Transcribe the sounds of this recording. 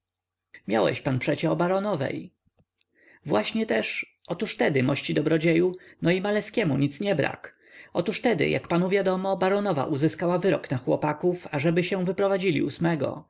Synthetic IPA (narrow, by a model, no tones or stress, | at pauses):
mʲja̰wɛ̰ɕpanpʂɛt͡ɕɛɔbaɾɔnɔvɛ̰j | vwaɕɲɛt̪ɛʂ | ʔɔt̪uʂt̪ɛd̪ɘmɔɕt͡ɕid̪ɔbɾɔd͡ʑejunɔimalɛskʲɛmuɲit̪sɲɛbɾa̰k | ɔt̪uʂt̪ɛd̪ɘ̰jʔa̰kpanuvʲjad̪ɔmɔbaɾɔnɔva̰ʔuzɘskawavɘɾɔknaxwɔ̰pakufaʐɛbɘɕɛ̃w̃vɘpɾɔvad͡ʑilʲḭusmɛɡɔ̰